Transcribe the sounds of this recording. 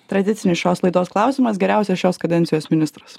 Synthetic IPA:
t̪ɾɐd̪ʲɪt̪sʲɪnʲɪsʃʲoːslˠɐɪd̪oːsklˠɑˑʊsʲiːˑmɐs̬ɡʲɛɾʲæˑʊsʲɛsʃʲoːskɐd̪ʲɛnʲsʲɪjoːsmʲɪnʲɪst̪ɾɐs

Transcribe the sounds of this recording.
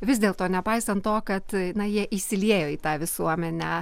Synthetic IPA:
ʋʲɪsʲd̪ʲeːlˠt̪oːnʲɛpɐɪsɐnt̪toːkɐt̪jɪnɐjiɛʔiʃsʲɪlʲeːjoːiːt̪ɑːʋʲɪsuɔmʲɛnʲæː

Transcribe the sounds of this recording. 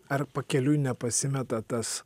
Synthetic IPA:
ɐɾpɐkʲɛlʲujnʲɛpɐsʲɪmʲɛt̪ɐt̪ɐs

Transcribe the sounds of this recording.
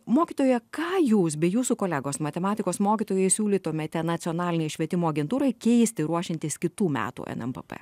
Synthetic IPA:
moːkʲiːt̪oːjɛkɑːjuːs̬bʲɛjuːsukoːlʲæɡoːsmɐt̪ʲɛmɑːt̪ʲɪkoːsmoːkʲit̪oːjɛɪsʲuːlʲiːt̪oːmʲɛːt̪ʲɛnɐt̪sʲɪɔnɑːlʲɪnʲɛɪʃʲʋʲiɛt̪ʲɪmoːɐɡʲɛnt̪uːɾɐɪkʲɛɪsʲt̪ʲɪɾuɔʃʲɪnʲt̪ʲɪskʲɪt̪uːmʲæ̰ːt̪ṵːʔɛ̰nɛ̰mpɛ̰pɛ̰

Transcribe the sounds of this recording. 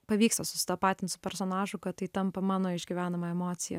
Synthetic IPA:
pɐʋʲiːkst̪ɐsʊ̥sʲɪ̥t̪ɐpɑːt̪ʲɪnsʊ̥pʲɛɾsoːnɑːʒʊkɐt̪ɐɪt̪ɐmpɐmɑːnoːɪʒʲɡʲiʋʲæːnɐmɐɛmoːt̪sʲɪjɛ̰

